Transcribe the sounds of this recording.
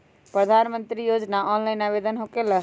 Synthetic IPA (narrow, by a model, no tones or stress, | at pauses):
pɾəd̪ʱanmə̃nt̪ɾijod͡ʒnaʔɔːnlaɪnabed̪ənɦokelə